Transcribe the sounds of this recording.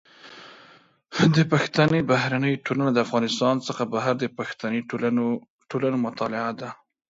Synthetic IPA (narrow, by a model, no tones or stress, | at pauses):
d̪əpaxt̪anəbahɾanəjʈʰolanad̪əafɣɑnɪst̪ɑnt͡səxabaɦaɾd̪əpaxt̪anəj | ʈolanomʊt̪ɑlɪad̪a